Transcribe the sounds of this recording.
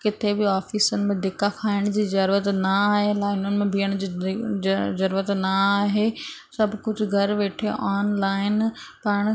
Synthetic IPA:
kɪt̪ʰebɪaːfiːsənɪ̆mẽd̪ɪkakʰaːɪɽ̃d͡ʑiːzɐɾət̪nɐaːɦelaːɪnʊnɪ̆mẽbʱiːəɽ̃d͡ʑi | zɐɾːət̪naaːɦesɐbʱkʊd͡ʑʱʊɡʱɐɾʋeːʈʰeʔaːnlaːɪnpaːɽ̃

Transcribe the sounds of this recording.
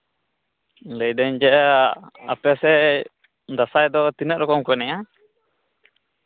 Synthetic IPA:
lɛjdɛɲd͡ʒɛ | a̰pɛsɛ | d̪asajd̪ɔt̪inɛʔɾɔkɔmkuɛnɛja

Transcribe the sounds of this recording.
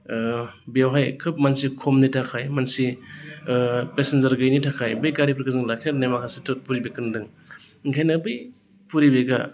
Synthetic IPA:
beawɦajkʰɯp̚mansikʰɔmnitʰakʰajmansi | pesenzɐɾɡɯjnitʰakʰajbɯjɡaɾipɾkɯzɯŋlakʰeɾnajmakʰasitʰot̚puɾibekʰɯndɯŋ | ŋkʰajnabɯj | puɾibeɡa

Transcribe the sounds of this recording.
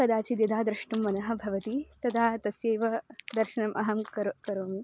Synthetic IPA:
kɐd̪aːt͡ʃid̪jɐd̪ʱaːd̪ɾɐʂʈumːɐnɐɦɐ̆bʱɐʋɐt̪it̪ɐd̪aːt̪ɐsjeːʋɐd̪ɐɾʃɐnɐmʔɐɦɐmkɐɾkɐɾoːmi

